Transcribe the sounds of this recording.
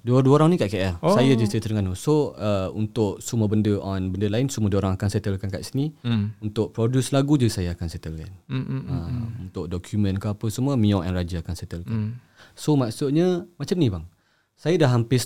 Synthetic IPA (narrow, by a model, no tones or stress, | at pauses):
duəduoɾaŋnĩkaʔkeʔɛrsajad͡ʒəset̪əlŋanusoəṵnt̪ʊʔsuməbəndəʔɔnbəndəlaɪnsumədəoɾãŋakanset̪əlkankaʔsiniunt̪ʊʔpɾodjuslaɡud͡ʒaisajaakanset̪əlka̰nəunt̪ʊʔ̚dokʰumə̃nkaapəsəmuəmĩɔ̃ʔɛ̰nrad͡ʒaakansɛt̪əlkan | somaʔsuʔɲəmat͡ʃamnĩbaŋ | sajadaɦampɪs